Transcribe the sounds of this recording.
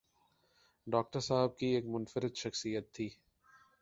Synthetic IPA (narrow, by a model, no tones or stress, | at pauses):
ɖɔːk̚ʈəɾsaːɦɪb̚kieːkmʊnfɪɾɪd̪ʃɐxsijət̪ʰːiː